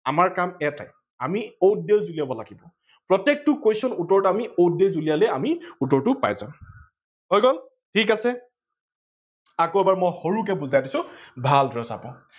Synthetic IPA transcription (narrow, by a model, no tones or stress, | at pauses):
amaɹkamɛta̰j | amiowdezulijabɔla̰ɡibɔ | pɹɔtɛk̚tʊkojsɔnutɔɹamiodezulijalɛamiutɔɹtʊpa̰jza̰ʊ̃ | hojɡɔl | tʰik̬asɛ | akoɛbaɹmɔjxoɹuk̬ɛbuzajdisʊ̃bʱaldɹɔsa̰pa